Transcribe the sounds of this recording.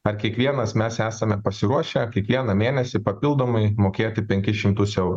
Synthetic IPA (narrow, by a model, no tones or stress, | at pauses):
ɐɾkʲiɛkʋʲiɛnɐsmʲæːsæːsɐmʲɛpɐsʲɪɾuɔʃʲɛkʲiɛkʋʲiɛnɐmʲeːnʲɛsʲɪpɐpʲɪlˠd̪oːmɐɪmoːkʲeːt̪ʲɪpʲɛŋʲkʲɪʃʲɪmt̪ʊsɛʊɾʊ